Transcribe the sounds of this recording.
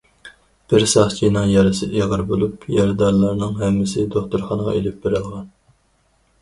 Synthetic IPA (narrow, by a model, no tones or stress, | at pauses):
b̥ɪɾsɑχt͡ʃʰijnɑŋjɑɾɨsɪeʁəɾbolˠupjɑɾd̪ɑɾlˠɑɾnɨŋɦɛmːɪsɪd̪oχt̪uɾχɑnəʁɑ̰elɪp̚beɾɪlˠʁɑn